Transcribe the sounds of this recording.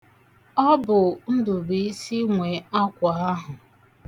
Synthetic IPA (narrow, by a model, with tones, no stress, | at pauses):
ɔ˦bʊ˨n̩˦dʊ˨bi˨i˦si˦ŋʷe˨a˦kʷa˨a˦ɦʊ˨